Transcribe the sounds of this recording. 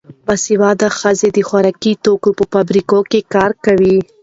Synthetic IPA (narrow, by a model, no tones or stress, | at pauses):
basiwɑd̪axəzed̪əxwaɾɑkit̪okopəfabɾikokekɑɾkawi